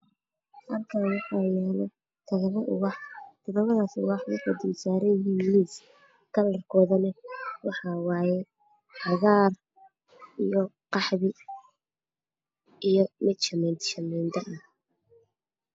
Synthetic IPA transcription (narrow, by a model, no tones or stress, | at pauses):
hɐlkʰaːwɑħɑjɛːlɛ | t̪ʰɐɣɐβɐʔʊɣɑħt̪ʰɔðɐβɐðaːsʊ̰ɣɑħwɑɐd̪ɪwsaːɾɛjiliːs | kʰɐlɐrkʰɔːðɐnɛwɑħɑːwɑːjɛ | ħɑɣaːr | ijɔqɑħβɪ | ijɔmɪd̪ʃɐmɛnt̪ʃɐmɛnd̪ɐʔɐh